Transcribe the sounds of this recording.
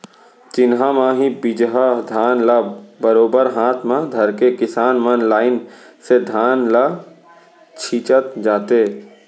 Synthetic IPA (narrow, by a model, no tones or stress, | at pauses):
t͡ʃɪnɦãmãɦibɪd͡ʒɦad̪ʱaːnlabəɾoːbəɾɦaːt̪ʰmãd̪ʱɐɾkekɪsaːnmənlaːɪn | sed̪ʱaːnla | t͡ʃʰiːt͡ʃət̪d͡ʒaːt̪e